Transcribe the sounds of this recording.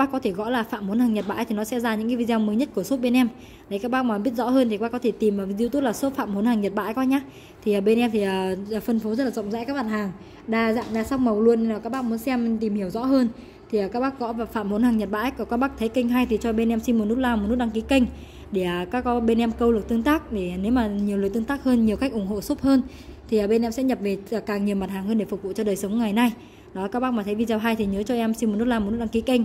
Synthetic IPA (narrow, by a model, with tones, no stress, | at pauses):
ɓaː˦˥kːɔ˨˦t̪ʰe˧˩ɣɔ̰˧˥laː˨˩fa̰ː˧˨mho˨˦nhaː˨˩ŋɲə˨˩t̚ɓa̰ː˧˥˨jt̪i˨˩nɔ˨˦sɛ̰˧˥zaː˧ɲɨ̰˧˥ŋkaː˨˦vi˧zɛ˧wməː˨˦jɲə˦˥t̚ku˧˩əso˦˥t̚ɓe˧nʔɛ˧m | ɗə˨˦kaː˦˥k̚ɓaː˦˥ma˨˩ɓi˦˥ət̚zɔ̰˧˥həː˧nt̪i˨˩kɓaː˦˥kːɔ˨˦t̪ʰe˧˩t̪i˨˩mː˨˩˧zi˧t̪o˦˥t̚laː˨˩so˦˥t̚fa̰ː˧˨mho˨˦nhaː˨˩ŋɲə˨˩t̚ɓa̰ː˧˨jkɔ˨˦jɲaː˦ | t̪ʰi˨˩ʔəː˨˩ɓe˧nʔɛ˧mt̪i˨˩ʔəː˨˩˨fə˧nfo˨˦zə˦˥t̚laː˨˩zə̰˧˨wŋ͡mza̰ː˧˥kaː˦˥k̚ɓa˨˩haː˨˩ŋ | ɗaː˧za̰ː˧˨mɗaː˧sa˦˥wk͡p̚mə˨˩wlu˧ənːi˧naː˨˩kaː˦˥k̚ɓaː˦˥k̚mu˨˦ənsɛ˧mt̪i˨˩mhi˧˩əwzɔ̰˧˥ɦəː˧n | t̪ʰi˨˩əː˨˩kaː˦˥k̚ɓaː˦˥k̚kɔ̰˧˨˦vaː˨˩fa̰˧˨mho˨˦nhaː˨˩ŋɲə˨˩t̚ɓa̰ː˧˨ʔa˦˥k̚ʔɔ˨˩kaː˦˥k̚ɓa˦˥k̚t̪ʰə˨˦jkə˧ŋ̟ɦaː˧jt̪ʰi˨˩t͡ɕɔ˧ɓe˧nʔɛ˧msi˧nm˨˩t̚nu˦˥t̚laː˧m̚˨˩nu˦˥t̚ɗa˧ŋki˨˦kə˧jŋ̟ | ɗe˧˩ə˨˩kaː˦˥kːɔ˨˦ɓe˧nʔɛ˧mkə˧wlɨ˨˩k̚t̪ɨ˧ə˧ŋt̪aː˦˥k̚ɗe˧˩˨ne˨˦wmaː˨˩ɲi˨˩əwlɨ˨˩jt̪ɨ˧ŋt̪aː˦˥k̚həː˧nɲi˨˩əwxa˦˥k̟ʔʊ˧˩ŋɦo̰˧˨so˦˥p̚həː˧n | t̪ʰi˨˩əː˨˩ɓe˧nʔɛ˧msɛ̰˧˥ɲə˨˩p̚ve˨˩˨kaː˨˩ŋɲi˨˩əwma˨˩t̚haː˨˩ŋhəː˧nɗe˧˩fʊ˨˩k̚vṵ˧˨t͡ɕɔ˧ɗəː˨˩jsə˨˦ŋ͡mŋa˨˩jna˧j | ɗɔ˨˦la˨˩kːaː˦˥ɓa˦˥k̚mː˨˩t̪ʰjvi˧zaː˧˩ɦaː˧jt̪ʰi˨˩ɲəː˨˦t͡ɕɔ˧ʔɛ˧msi˧mo˨˩nu˦˥t̚laː˧m˨˩nu˦˥ɗki˨˦kə˧ŋ̟